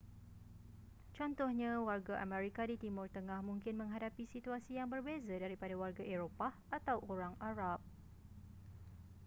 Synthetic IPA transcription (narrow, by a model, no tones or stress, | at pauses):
t͡ʃɔnt̪ɔhɲãwarɡaʔamɛ̃ɾikadit̪imʊrt̪əŋãhmũŋkɪnmə̃ŋɦadapisit̪uasijaŋbərbezadaɾipadawarɡaʔeɾopa | at̪awʔoɾaŋʔaɾap̚